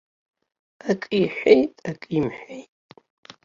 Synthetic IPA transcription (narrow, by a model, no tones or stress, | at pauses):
akʼiħʷᶣejtʼakʼimħʷᶣejtʼ